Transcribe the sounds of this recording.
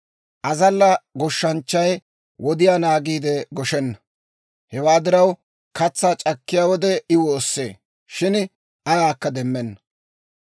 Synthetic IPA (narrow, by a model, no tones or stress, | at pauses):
ʔɐzɐlːɐɡɔʃːɐnt͡ʃːɐj | wɔd̪ɪjaːnaːɡiːd̪ɛɡɔʃɛnːɐ̥ | hɛwaːd̪ɪɾɐw | kɐt͡sːaːt͡ʃʼɐkːɪjaːwɔd̪ɛɪwoːsːḛː | ʃɪn | ɐjaːkːɐd̪ɛmːɛnːɐ̥